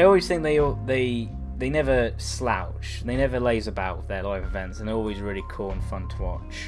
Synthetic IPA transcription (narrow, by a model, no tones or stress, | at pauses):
ɪɔlˠwiz̥θɪ̃ŋk̚ðeɪɔðeɪ | ðeɪnɛvəsla̰ʊt͡ʃðeɪnɛvəleɪzəbaʊʔðəlaɪvɪvɛ̃ntsə̃nɔlˠwizɹɪːlikʰɔːə̃nfʌ̃ntʰəwɑ̰t͡ʃ